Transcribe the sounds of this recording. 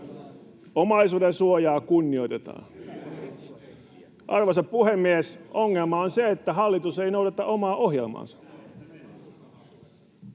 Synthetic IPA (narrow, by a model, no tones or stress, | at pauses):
omɑisuːdensuojɑːkunːioit̪et̪ɑ̰ː | ʔɑrʋosɑppuhemːiesoŋːelmɑonseet̪ːæɦɑlːit̪useinoudɑt̪ɑʔomɑːʔohjelmɑ̰nsɑ̥